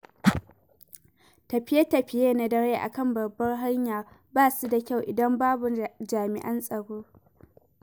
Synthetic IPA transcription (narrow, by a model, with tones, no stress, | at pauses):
tɐ˨ɸɪ˦je˦tɐ˨ɸɪ˦jeː˦na˦dɐ˦ɽeː˦ʔa̰˨kɐ˦˨mbɐ˨bːɐ˦rɦa˦ɲjaː˨baː˦˨su˦da˨kʲa˦˨wʔɪ˨dɐ˦mbaː˦bʊ˨d͡ʒaː˨mɪ̰˨ʔɐ˦nsʼɐ˨ɽoː˦